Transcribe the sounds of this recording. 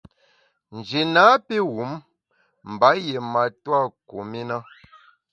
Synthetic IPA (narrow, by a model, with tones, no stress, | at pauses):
n̩˨d͡ʒi˨naː˨˦pe˦wu˨˦m | m̩˨ba˨˦je˨ma˨twa˦˨ku˨mi˦na˦